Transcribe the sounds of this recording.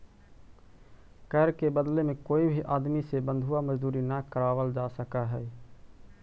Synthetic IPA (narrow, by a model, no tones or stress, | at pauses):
kɛɦɾkebəd̪lemẽkoːibʱiʔaːd̪misebə̃nd̪ʱʊwaməd͡ʒd̪uːɾinakəɾaːʋəld͡ʒaːsəkaɦɛː